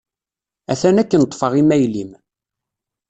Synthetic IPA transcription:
æθænækːənət̪ːˤfɑʁimæjlim

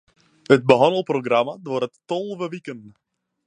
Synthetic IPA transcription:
ɦət̚bəɦɔnəlˠproɡramadʊːɾətːɔlˠvəʋikən

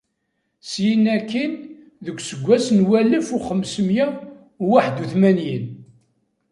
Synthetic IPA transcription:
sjinːækːin | ðəkʷːsəɡʷːæsnwæləfuχəmsəmjæ | waħd̪uθmænjən

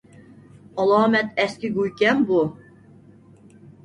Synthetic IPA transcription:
ɔlˠɑːmæt̪æskʲiɡujkʲæmbu

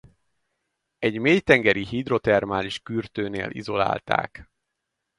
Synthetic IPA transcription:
ɛɟmeːjt̪ɛŋɡɛɾihid̪ro̞t̪ɛrmaːliʃkyrt̪øːnḛːlʔḭzo̞la̰ːlt̪a̰ːk

